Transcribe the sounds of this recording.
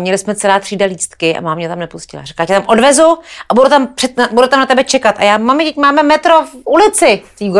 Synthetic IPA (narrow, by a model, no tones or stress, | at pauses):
mɲɛlɪsmɛt͡sɛlaːt̪r̥iːdaliːst̪kɪʔa̰maːmɲɛt̪amnɛpuscɪla̰rɛ̥kacɛt̪amʔo̞dvɛzuʔabudut̪ampr̥ɛabudut̪amnat̪ɛbɛt͡ʃɛkat̪ʔa̰jaːmamɪt̪ɛcmaːmɛmɛt̪ɾofulɪt͡sɪt̪iːɡ